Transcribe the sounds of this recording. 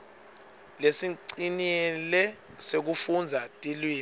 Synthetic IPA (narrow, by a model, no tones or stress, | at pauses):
lesiǀinɛlɛ | sek̬ufund͡zʱatʼilwiː